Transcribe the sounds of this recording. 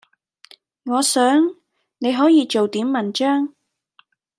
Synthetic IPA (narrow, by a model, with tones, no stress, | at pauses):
ŋɔː˨˧sœː˨˥ŋ | ne˨˧jɦɔː˨˥jiː˨˧t͡ʃo˨wt̪iː˨˥mːɐ˨nt͡ʃœː˥ŋ